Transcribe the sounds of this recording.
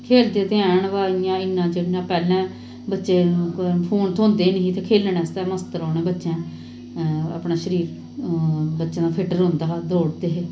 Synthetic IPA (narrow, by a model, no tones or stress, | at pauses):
kʰeːld̪eːt̪eãaːɳʋaːiãːɪnːãːt͡ʃenãːpɛːlɛ̃ː | bətːʃeːpʰoːnt̪ʰoːnd̪eːnəɦĩt̪ʰeːkʰeːləɳɛːst̪ɛːməst̪əɾɔːnẽːbətːʃɛ̃ː | a̰ːpɳaːʃəɾiːɾ | bətːʃãːd̪aːpʰɪʈəɾɦʊnd̪aːd̪oːɽd̪eːɦeː